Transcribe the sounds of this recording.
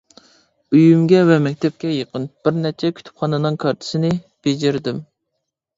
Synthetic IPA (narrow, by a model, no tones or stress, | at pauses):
yjymɡʲɛvɛmɛkʲt̪ʰɛp̚kʲɛjeqʰənb̥ɪɾnɛt͡ʃʰɛkʲʰy̥t̪ʰy̥pχɑnɨnɨŋkʰɑɾt̪ʰɪ̥sɪnɪ | b̥ed͡ʒeɾd̪ɪm